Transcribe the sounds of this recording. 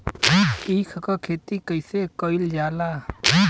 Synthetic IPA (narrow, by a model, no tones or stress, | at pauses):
iːkʰkɔkʰeːt̪ikəjsekɔɪld͡ʒaːlaː